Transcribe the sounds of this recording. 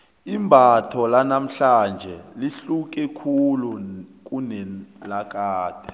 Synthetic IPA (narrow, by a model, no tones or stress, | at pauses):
imbʱatʰɔlanam̩ɬand͡ʒʱɛliɬuk̬ʼɛkʰuluk̬ʼunɛlak̬ʼaːd̥ʱɛ